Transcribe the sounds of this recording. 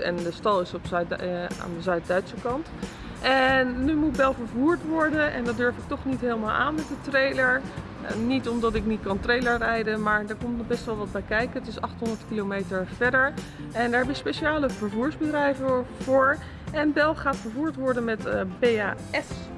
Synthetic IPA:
ɛ̰ndəstɑlˠɪsɔp | a̰ːndəzœɥt̚dœɥtsəkɑnt | ʔɛnːymut̚bɛlˠvəɹvuːɹtʋɔɹdənɛ̰ndɑt̚døɹfɪk̚tɔχnitɦeːlˠmaːlˠʔa̰ːnmɛtdətrejləɹ | nitɔmdɑtɪknit̚kɑntrejləɹrɛjdənmaːɹdɛɹkɔmtnɔχbɛstʋɛlˠʋɑd̚bɛjkɛjkənətɪsɑχtɦɔndəɹtkilomejtəɹv̥ɛɹdəɹ | ɛndaːɹɦɛbəəspejʃaːləvəɹvuːɹzbədrɛjvəv̥ʊːɹ | ɛnbɛlˠχaːtfəɹvuːɹtʋɔɹdənmɛtbejaː | ɛfs

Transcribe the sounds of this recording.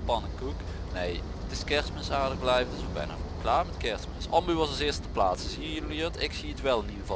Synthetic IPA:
pɑnəkuk | nej | ətɪskɛrsmɛnsaːrdəɣblɛjvətɪsobɛ̰jna̰klaːɹmɛtkɛrsmɛnsɑmbyʋɑsɑsɪːstəplaːtsəziəjøliətɪksiətʋɛlˠəniəvɑ

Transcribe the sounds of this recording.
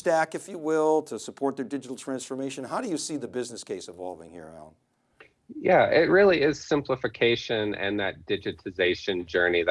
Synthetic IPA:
stækɨfjɨwɪlˠtʰɨsəpʰɔɹt̪̚ðədɪd͡ʒɨɾl̩ˠtʰɹ̥æ̃nsfə˞meɪʃɨ̃nɦaʊɾɨjɨsiðɨbɪznɨskʰeɪsɨ̃vɑ̰lˠvɪ̰̃ŋhḭɹã̰ʊ̃n | jæɪt̚ɹɪlˠiɪz̥sɪ̃mpləfɨkʰeɪʃɨ̃nɨ̰̃nðɨt̚d̥ɪd͡ʒɨɾɨzeɪʃɨ̃nd͡ʒɜ˞nið

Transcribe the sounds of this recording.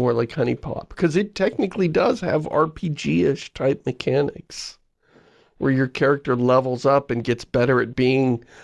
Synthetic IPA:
ɔɹlaɪkhʌñipʰɑ̰p̚kʰʌzɨtʰɛk̚nɨklidʌz̥ɨ̰vɑ̰ɹpʰid͡ʒiɪʃtʰaɪp̚mɨkʰænɪ̰ks | wə˞jə˞kʰɛɹɨk̚tə˞lɛvl̩ˠzʌpɨ̃nɡɛtsb̥ɛɾə˞ɨt̚b̥iɪ̃ŋ

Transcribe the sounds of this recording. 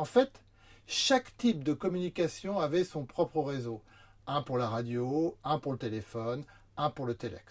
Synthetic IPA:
ɑ̃fɛt̪ | ʃakt̪ip̚d̪əkɔmynikʲasjɔ̃avɛsɔ̃pχɔpχəʁezo | ɛ̃puʁlaʁad̪joɛ̃puʁlət̪elefɔn | ɛ̃puʁlət̪elɛ̰k

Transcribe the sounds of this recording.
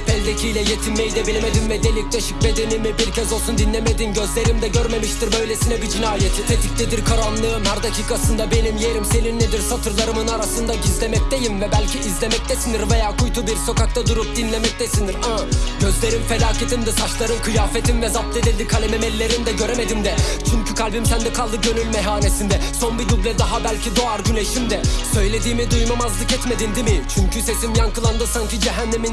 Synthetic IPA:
pʰɛlʲd̪ecʰijlʲɛjet̪ʰinmejd̪ɛbelʲimed̪invɛd̪elʲːic̚t̪ʰɛʃic̚bed̪enimɛbilʲcʰɛzolˠsund̪inlʲemed̪inɟøzlʲe̞ɾimd̪ɛɟøɾmemiʃt̪iɾbø̞jlʲesinɛbid͡ʒinaːjet̪ʰit̪ʰet̪ʰic̚lɛd̪iɾkʰaɾanlˠɯɯmhaɾd̪acʰiːkʰasɯnd̪abe̞nimjeɾimse̞ninned̪iɾsat̪ʰɯɾlˠaɾɯmɯnaɾasɯnd̪aɟizlʲemɛc̚t̪ejimvɛbælʲcʰiʔizlʲemɛc̚t̪ʰɛsiniɾvejaːkʰujt̪ʰubiɾso̞kak̚t̪ʰad̪uɾup̚d̪inlʲemɛc̚t̪ʰɛsiniɾaɟø̞zlʲe̞ɾinfelʲaːcʰet̪ʰimd̪ɛsat͡ʃlˠaɾɯnkʰɯjaːfet̪ʰinvɛzap̚t̪ˠed̪ilʲd̪ikʰalʲememɛlʲːe̞ɾimd̪ɛɟø̞ɾeme̞d̪imd̪ɛ | t͡ʃʰyɲcʰykʰalʲbimsænd̪ɛkʰalˠd̪ɯɟønylʲmɛɦaːnesind̪ɛso̞nbid̪ublʲɛd̪aɦabælʲcʰid̪o̞aɾɟylʲeʃimd̪ɛsø̞jlʲe̞d̪iːmid̪ujmamazlˠɯkɛt̪me̞d̪ind̪imɪt͡ʃʰyɲcʰyse̞simjankɯlˠand̪ɯsancʰid͡ʒɛɦænːemin

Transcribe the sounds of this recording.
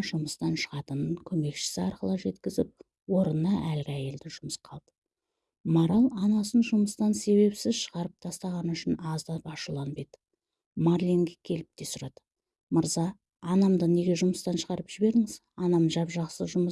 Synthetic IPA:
ʒʊməst̪ɑnʃəʁɑt̪ənəŋkʲʰɵme̞kʃɪ̥sɪɑɾqəlˠəʒe̞t̪kʲɪzɪp̚ | wo̞ɾənːɑʔælɡʲɪæje̞ld̪ɪʒʊməsqʰɑlˠd̪̥ə | moɾɑlˠɑnɑsənʒʊməst̪ɑnse̞βe̞psɪzʃəʁɑɾəp̚t̪ʰɑst̪ɑʁɑnəʏʃɪnɑzd̪ɑpɑʃulˠɑnbed̪ə | marlʲiŋɡʲikʲʰe̞lɪp̚t̪e̞sʊɾɑd̪̥ə | məɾzɑː | nɑmd̪əne̞ɡʲe̞ʒʊməst̪ɑnʃəʁɑɾəpʒ̥ɪbe̞ɾɪŋɪz | ɑnɑmʒɑpʒɑqsəʒʊmə

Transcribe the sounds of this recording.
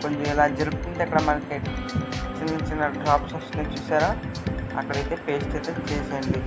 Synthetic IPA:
koɲd͡ʒuɛlaːd͡ʒelpt̪unt̪ekɽɐmalke | t͡ʃinit͡ʃinɐɖɾaːpsɐsnet͡ʃusaːɾaːɐ̰kːɐɽɐjt̪eːpeːsʈɐt̪et͡ʃeːsend̪i

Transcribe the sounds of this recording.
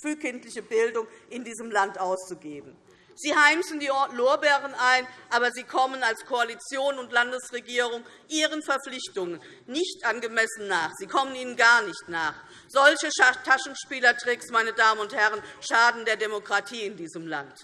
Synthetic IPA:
fyːkʰɪntlɪçəbɪldʊŋʔɪndiːzəmlantʔaʊst͡suɡeːbm̩ | z̥iːhaɪmsn̩diːloːɐbɛːʁənʔaɪnʔaːbɐziːkʰɔmənalskʰoalit͡sjoːnʊntlandəsʁeɡiːʁ̞ʊŋ | ʔiːʁ̞ənfɛɐp͡flɪçtʊŋənː | ɪçtʔanɡəmɛsn̩ːaːχz̥iːkʰɔməniːnənɡaɐnɪçtnaːχ | z̥ɔlçətʰaʃn̩ʃpiːlɐtʁ̥ɛksmaɪnədaːməʊnthɛʁənʃaːdn̩deːɐdemokʁ̥atʰiːɪndiːzəmla̰nt

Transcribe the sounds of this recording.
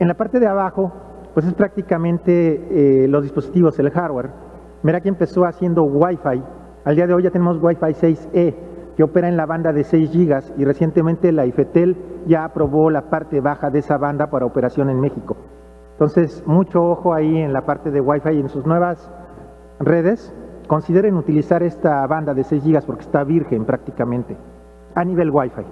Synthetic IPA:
enlapaɾt̪e̞ðeaβaxo̞ | pwes̬e̞spɾak̚t̪ikamẽ̞nt̪e̞lo̞zðispo̞sit̪iβo̞se̞lxaɾweɾ | meɾakempe̞so̞asje̞nd̪o̞ɣwajfaj | ald̪iað̞e̞ojʝat̪enemo̞zɣwajfajse̞jseke̞o̞pe̞ɾaenlaβand̪aðe̞se̞jzʝiɣasire̞sjent̪e̞mẽnt̪e̞laife̞t̪e̞lʝaːpɾo̞βo̞lapaɾt̪e̞βaxaðee̞saβand̪apaɾaope̞ɾasjo̞ne̞nme̞xiko̞ | ent̪o̞nse̞smut͡ʃo̞oxo̞aie̞nlapaɾt̪e̞ðeɣwajfaje̞nsuznwe̞βas | re̞ð̞e̞sko̞nsiðe̞ɾenut̪ilisaɾe̞st̪aβand̪aðe̞se̞jzʝiɣaspo̞ɾkest̪aβiɾxe̞mpɾak̚t̪ikamẽ̞nt̪e̞ | aniβe̞lɣwajfaj

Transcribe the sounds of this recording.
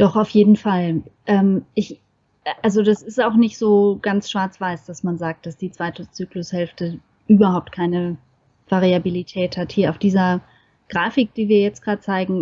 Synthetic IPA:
d̥ɔχaʊfjeːdn̩falʔɛːmʔɪç | ʔalzodasɪstaʊxnɪçtz̥oːɡ̥ansʃv̥aɐt͡sv̥aɪsd̥asmanzaːk̚t̚d̥asd̥iːt͡sv̥aɪtət͡syːklʊshɛlftə | ʔyːbɐhaʊp̚tkʰaɪnə | v̥aʁiabilitʰɛːthathiːɐʔaʊfd̥iːzɐ | ɡ̥ʁaːfɪk̚d̥iːviːɐjɛt͡stɡ̥ʁaːdət͡saɪɡŋ̩

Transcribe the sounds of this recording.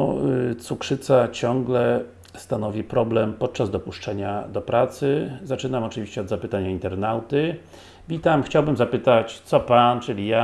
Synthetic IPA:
t̪sukʂɘt̪sat͡ɕɔ̃ŋɡlɛ | st̪anɔvʲipɾɔblɛmpɔt̪̚t͡ʂːazd̪ɔpuʂt͡ʂɛɲad̪ɔpɾat̪sɘzat͡ʂɘnamɔt͡ʂɘvʲiɕt͡ɕɛɔd̪zapɘt̪aɲaint̪ɛɾnawt̪ɘ | vʲit̪amxt͡ɕawbɘmzapɘt̪at͡ɕt̪sɔpant͡ʂɘlʲija

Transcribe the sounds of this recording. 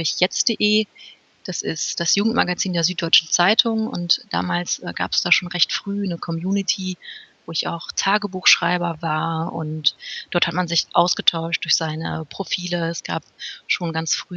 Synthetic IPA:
ʊɪçjɛt͡sd̥eʔeː | d̥asɪ̰std̥asjuːɡŋ̩tma̰ɡat͡siːndeːɐzyːt̚d̥ɔʏt͡ʃn̩t͡saɪtʰʊŋʊ̰ntd̥a̰ːmaːlsʔɛ̰ːɡa̰ːpɛ̥sd̥aːʃoːnʁɛçtfʁ̥yːnəkʰɔmjuːnɪtʰiːvoːɪça̰ʊxtʰaːɡəbuːxʃʁ̥aɪbɐvaːɐʊ̰ntd̥ɔɐthatmanzɪçʔaʊsɡ̥ətʰaʊʃt̚d̥ʊɐçz̥aɪnə̰pʁ̥ofiːləɛsɡ̥a̰ːp̚ʃoːnɡant͡sfʁ̥yː

